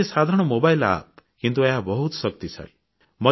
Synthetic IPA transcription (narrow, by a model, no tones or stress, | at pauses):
esad̪ʱaɾɽ̃ɔmobajla̰p̚kint̪ueɦabɔɦut̪sʌk̚t̪isʰa̰l | mɔ